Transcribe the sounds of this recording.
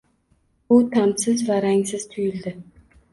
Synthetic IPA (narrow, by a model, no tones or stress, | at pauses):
bʊt̪ʰamsɪzvaɾaŋsɪzt̪ʰʊjɪld̪ɪ